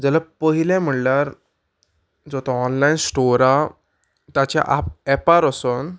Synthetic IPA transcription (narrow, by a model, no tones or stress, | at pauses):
d͡zalapəɦilɛ̃m̤əɳlaɾ | d͡zɔt̪aɔnlainsʈoɾa | t̪at͡ɕa̰ʔa̰p̚ɛpaɾəson